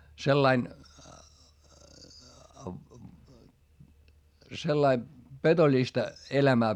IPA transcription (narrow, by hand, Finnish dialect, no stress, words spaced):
selːɑin selːɑi petolʲistɑ elæmæː